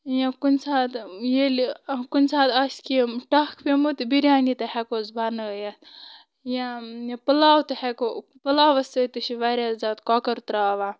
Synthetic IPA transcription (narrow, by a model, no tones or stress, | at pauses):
jãkunʲsaːt̪jelikunʲsaːt̪ɐsʲkimʈɐkʰpemut̪biɾʲaːnit̪ɐhɛkozbanəja | jãjapɐlaːwt̪ɐhɛko | pɐlaːʋɐsət̪ɨsiʋaɾʲjaːzaːt̪kɔːkɐɾt̪ɾaːʋaː